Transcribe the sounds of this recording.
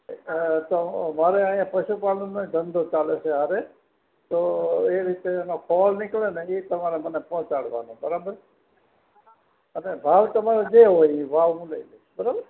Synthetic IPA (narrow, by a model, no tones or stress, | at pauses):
t̪omaːɾeaːjãːpəʃupaːlnõnẽd͡ʒənd̪ot͡ʃaːleseɦaɾe | t̪oːeɾɪt̪eːnokʰɔːlnɪkleneit̪əmaːɾemənepɔ̃ːt͡ʃaɽʋa̰ːnõbəɾaːbəɾ | ənebʱaːʋt̪əmaːɾed͡ʒeɦoĩʋaːʋũleilebəɾabəɾ